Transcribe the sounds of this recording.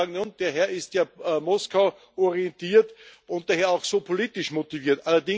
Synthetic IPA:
ɡŋ̩nʊnd̥eːɐɦɛɐɪstjaːmɔskaʊ | ɔʁiɛntiːɐtʔʊ̃nt̚d̥aːheːɐaʊxsoːpʰoliːtɪʃmotiviːɐtʔalɐdɪ

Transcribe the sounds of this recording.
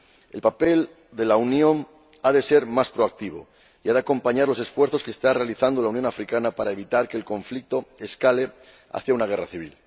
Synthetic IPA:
elpape̞l | d̪e̞launjõ̞ŋ | aðe̞se̞ɾmaspɾoak̚t̪iβ̞o̰ | iaðeako̞mpaɲaɾlo̞se̞sfwe̞ɾθoskest̪are̞aliθand̪o̞launjo̞ŋafɾikanapaɾae̞β̞it̪aɾkeːlko̞ɱflik̚t̪oeskale̞ | a̰θjaunaɣ̞e̞raθiβ̞il

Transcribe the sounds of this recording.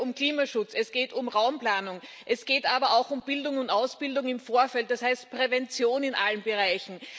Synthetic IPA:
ʊmkliːmaʃʊt͡sɛsɡ̥eːtʊmʁaʊmplaːnʊŋ | ʔɛsɡ̥eːtʔaːbɐʔaʊxʊmb̥ɪldʊŋʊntʔaʊsb̥ɪldʊŋɪmfoːɐfɛlt̚d̥ashaɪst̚pʁ̥ɛvɛnt͡sjoːnɪnʔalənbəʁaɪçn̩

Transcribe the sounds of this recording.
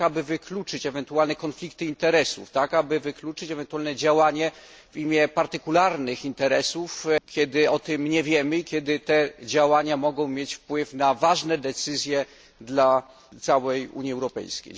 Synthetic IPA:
abɘvɘklut͡ʂɘt͡ɕɛvɛnt̪ualnɛkɔnflʲikt̪ɘint̪ɛɾɛsṵft̪akabɘvɘklut͡ʂɘt͡ɕɛvɛnt̪uwalnɛd͡ʑawaɲɛ | vimʲjɛpaɾt̪ɘkulaɾnɘxint̪ɛɾɛsufkʲjɛd̪ɘɔt̪ɘmɲɛvʲjɛmɘikʲɛd̪ɘt̪ɛd͡ʑawaɲamɔɡɔ̃w̃mʲjet͡ɕfpwɘfnavaʐnɛd̪ɛt̪sɘzʲjɛ | d̪la | t̪sawɛjṵɲiɛwɾɔpɛ̰jskʲḛj

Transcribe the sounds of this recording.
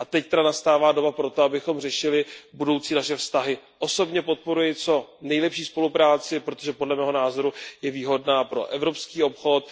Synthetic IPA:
ʔat̪ɛct̪ɛdanast̪aːvaːdo̞bapɾo̞t̪o̞abɪxo̞mr̝ɛʃɪlɪbudo̞wt͡siːnaʃɛfst̪aɦɪʔo̞so̞bɲɛpo̞t̪̚po̞ɾujɪt͡so̞nɛjlɛpʃiːspo̞lupɾaːt͡sɪpɾot̪oʒɛpo̞dlɛmɛːɦo̞naːzo̞ɾujɛviːɦo̞dnaːpɾo̞̰ʔɛvɾo̞pskiːo̞pxo̞t̪̚

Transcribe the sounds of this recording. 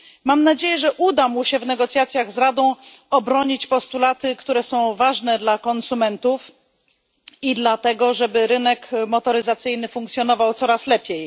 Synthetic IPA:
mamnad͡ʑejɛʐɛʔud̪amuɕɛvnɛɡɔt̪sjat̪sʲjaɣzɾad̪ɔ̃w̃ | ɔbɾɔɲit͡ɕpɔst̪ulat̪ɘkt̪uɾɛsɔ̃w̃vaʐnɛd̪lakɔnsumɛnt̪uf | id̪lat̪ɛɡɔʐɛbɘɾɘnɛkmɔt̪ɔɾɘzat̪sɘjnɘfuŋkt̪sʲjɔn̪ɔvawt̪sɔɾaslɛpʲjej

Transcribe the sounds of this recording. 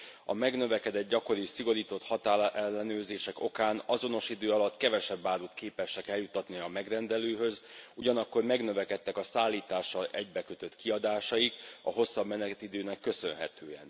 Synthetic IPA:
ɒmɛɡnø̞vɛkɛd̪ɛd̪̚ɟɒko̞ɾisiɡo̞ɾiːt̪o̞t̪hɒt̪aːɛlːɛnøːrzeːʃɛko̞kaːnɒzo̞no̞ʃid̪øːɒlɒt̪ːkɛvɛʃɛbːaːɾut̪keːpɛʃɛkɛljut̪ːɒt̪niɒmɛɡrɛnd̪ɛløːɦø̞zuɟɒnɒkːo̞rmɛɡnø̞vɛkɛt̪ːɛkɒsaːlːiːt̪aːʃːɒlɛɟbɛkøt̪ø̞t̪kiɒd̪aːʃɒjikɒ̰ɦo̞sːɒbmɛnɛt̪id̪øːnɛkːø̞sø̞nɦɛ̰t̪øːɛ̰n

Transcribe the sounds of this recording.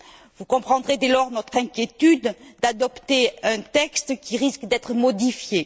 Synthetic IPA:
vukɔ̃pχɑ̃d̪ʁed̪elɔʁnɔt̪χɛ̃kʲjet̪yd̪d̪ad̪ɔpt̪eɛ̃t̪ɛkst̪kʲiʁiskd̪ɛt̪χəmɔd̪ifje

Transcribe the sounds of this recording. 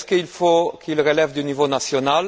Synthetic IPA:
skəilfokʰilʁelɛvd̪ynivonasjonal

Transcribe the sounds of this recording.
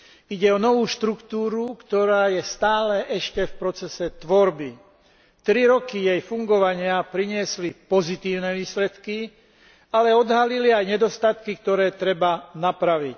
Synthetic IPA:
iɟɛɔnɔʋuːʃt̪ɾukt̪uːɾukt̪ɔɾaːjɛst̪aːlɛʔɛʃcɛfpɾɔt͡sɛsɛt̪ʋɔɾbi | t̪ɾiɾɔkijɛjfuŋɡɔʋaɲɪapɾiɲɪɛslipɔzit̪iːʊnɛʋiːslɛt̪ki | alɛɔd̪ɦaliliajɲɛd̪ɔst̪at̪kik̚t̪ɔɾɛːt̪ɾɛbanapɾaʋic

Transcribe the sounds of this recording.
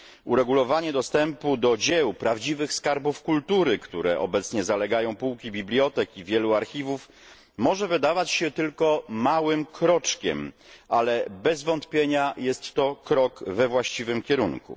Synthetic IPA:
uɾɛɡulɔvaɲɛd̪ɔst̪ɛmpud̪ɔd͡ʑɛwpɾavd͡ʑivɘxskaɾbufkult̪uɾɘkt̪uɾɛ̰ʔɔ̰bɛt̪sɲɛzalɛɡajɔ̃w̃puwkʲibʲiblʲjɔt̪ɛkivʲjɛluaɾxʲivuf | mɔʐɛvɘd̪avat͡ɕɕɛt̪ɘlkɔmawɘmkɾɔt͡ʂkʲɛ̰m | alɛbɛzvɔnt̪pʲjeɲajɛst̪ːɔkɾɔkvɛvwaɕt͡ɕivɘmkʲɛɾuŋkṵ

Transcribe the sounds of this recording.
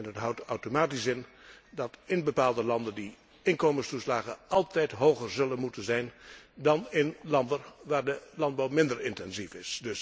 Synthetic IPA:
ɛnətɦʌwtawtomaːtisɪndɑtɪnbəpaːlˠdəlɑndəndi | ɪnkoːmənstuslaːɣəʔɑlˠtɛjtɦowχəɹzɵlənmutənzɛjndɑnɪnlɑndərʋaːɹdəlɑnd̚bɑwmɪndəɹɪntɛnzifɪsdɵs

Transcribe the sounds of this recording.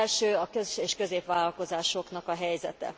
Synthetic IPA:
lʃøːɒkøzʃeːʃkø̞zeːpʋaːlɒlko̞zaːʃo̞knɒkɒɦɛjzɛt̪ɛ̰

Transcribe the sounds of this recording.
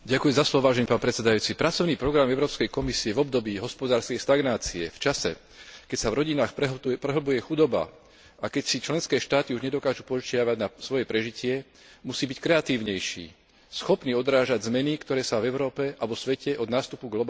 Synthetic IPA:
ɟakujɛmzaslɔʋɔʋaːʒɛniːpaːnpɾɛt͡ssɛd̪ajuːt͡sipɾat͡sɔʊniːpɾɔɡɾamɛʊɾɔːpskɛjkɔmisiɛvɔb̚d̪ɔbiːɦɔspɔd̪aːɾskɛjʃt̪aɡnaːt͡siɛ̰ft͡ʃasɛ̰ | kɛcsavɾɔɟinaːxpɾɛɦlbujɛxud̪ɔba̰ | ʔakɛcsit͡ʃlɛnskɛːʃt̪aːt̪iuʒɲɛd̪ɔkaːʒupɔʒt͡ʃɪaʋaɟnasʋɔjɛpɾɛʒicɪɛ | musiːbickɾɛat̪iːʊɲɛjʃḭː | sxɔpniɔd̪ɾaːʒaɟzmɛnikt̪ɔɾɛːsavɛʊɾɔːpɛʔaʋɔsʋɛcɛʔɔd̪naːst̪upuɡlɔba

